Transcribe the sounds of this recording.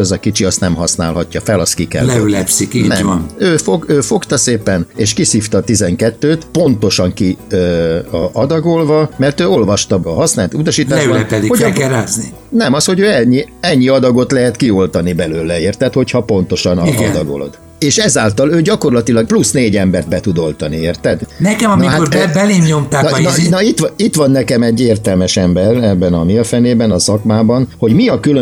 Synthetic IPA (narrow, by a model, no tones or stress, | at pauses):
ɛzɒkit͡ʃiɒst̪nɛmɦɒsna̰ːlɦɒcːɒfɛlɒst̪kikɛ̰llɛylɛpsikiːnɛ̰mnøːfoɡøːfo̞kt̪ɒseːpɛneːʃkisiːft̪ɒt̪izɛŋkɛt̪ːøːt̪po̞nt̪o̞ʃɒŋkiø | ɒd̪ɒɡo̞lvɒmɛrt̪øːo̞lvɒʃt̪ɒɒɦɒsnaːlt̪ut̪ɒʃiːt̪aːlɛybɒnɛpɛlihokɛɾaːzni | nɛmɒsho̞ɟøːɛɲːiɛɲːiɒd̪ɒɡo̞t̪lɛɦɛt̪kio̞lt̪ɒnibɛløːlɛeːrt̪ɛt̪ho̞chɒpo̞nt̪o̞ʃɒnɒḭd̪ɒ̰ɡo̰lo̞̰d̪̥ | eːʃɛzaːlt̪ɒløːɟɒko̞rlɒt̪ilɒɡ̚plusneːɟɛmbɛrd̪̚bɛt̪ud̪o̞lt̪ɒnieːrt̪ɛd̪nɛkɛmɒniɦat̪bɛleːmɲo̞mt̪aːnnnɒit̪ʋit̪ʋɒnːɛkɛmɛɟːeːrt̪ɛlmɛʃɛmbɛrɛbːɛnɒmiːlfɛneːbɛnɒsɒkmaːbɒnho̞ɟmiɒkylø